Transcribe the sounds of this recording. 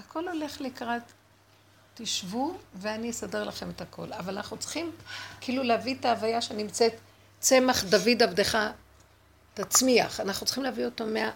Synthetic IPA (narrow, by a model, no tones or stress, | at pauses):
akʰo̞lo̞leχlikʁat̪ː | iʃvuveanijesade̞ʁlaχe̞methakʰo̞̰lavalanaχnut͡sχimkiiluleavit̪aːvajaʃenimt͡set | t͡se̞maχd̪avid̪avd̪eχa | tat͡smiaχanaχnut͡sl̥χimleavio̞to̞mea